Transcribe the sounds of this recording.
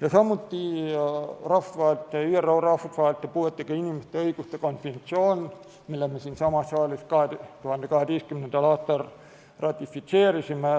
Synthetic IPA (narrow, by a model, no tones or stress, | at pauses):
jɑsɑmːut̪ːiː | rɑfʋɑːlt̪ːæyørourɑft̪ʋɑːlt̪ːæpuet̪ːekɑinimist̪æɤikust̪ɑkonfent̪sion | melæhmesiːnsɑmɑsːɑːliskɑhed̪et̪uhɑnd̪ekɑhed̪iːskymnent̪ælɑt̪ːɑr | rɑt̪ifit̪seːrisimæ